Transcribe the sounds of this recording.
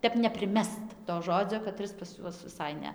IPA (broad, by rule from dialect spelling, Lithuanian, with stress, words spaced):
ˈtʲɛp nʲɛpʲrʲɪˈmʲɛst toː ˈʒoːd͡zʲoː kɐˈtʲrʲɪs pɐs ˈjuɔs ʋʲɪˈsɐɪ ˈnʲɛ